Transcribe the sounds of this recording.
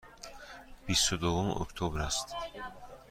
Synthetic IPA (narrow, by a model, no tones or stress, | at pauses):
b̥isud̪oumo̰kt̪ʰobɾast̪